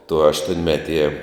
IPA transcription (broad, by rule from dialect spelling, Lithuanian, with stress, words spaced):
tʊ ɐʃtuɔnʲˈmʲæːˌtʲiɛ